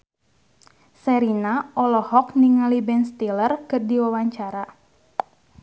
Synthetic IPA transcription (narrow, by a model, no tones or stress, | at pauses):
sɛɾinaʔɔlɔhɔkniŋalibɛnst̪ilərkɨrdiwawaɲt͡ʃaɾa